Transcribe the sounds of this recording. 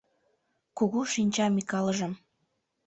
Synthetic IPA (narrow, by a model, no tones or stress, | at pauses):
kuɣuʃinʲt͡ɕɑmikɑlə̆ʒə̆m